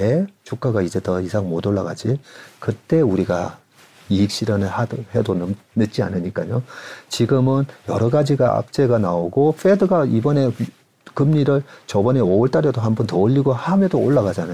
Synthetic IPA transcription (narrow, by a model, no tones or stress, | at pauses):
et͡ɕuk͈aɡaid͡ʑe̞tʌisʰaŋmodoɭːaɡa̰d͡ʑikɯt͈e̞uɾiɡa̰ | iik̚ɕ͈iɾʌnɯhahedonnɯt̚t͡ɕ͈ia̰nɯɲik͈aɲot͡ɕiɡɯmɯnjʌɾʌɡad͡ʑiɡaʔa̰k̚t͡ɕ͈e̞ɡanaoɡofʰedɯɡaibʌne̞ | kɯmɲiɾɯɭt͡ɕʌbʌne̞oɯɭt͈aɾʌdoɦanbʌntʌɯʎːiɡohamedooɭːaɣad͡ʑana